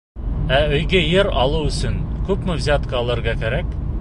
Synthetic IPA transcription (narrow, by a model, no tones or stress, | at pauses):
æɵ̆jɡɘjɘɾɑlˠɤwɵ̆sɵnkʉpmɘvzʲat̪qɑːlˠɤ̆ɾʁɑkæɾæk